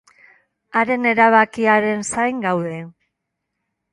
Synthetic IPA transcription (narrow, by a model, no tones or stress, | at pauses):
aɾe̞ne̞ɾaβ̞akiaɾe̞nsajŋɡawðe̞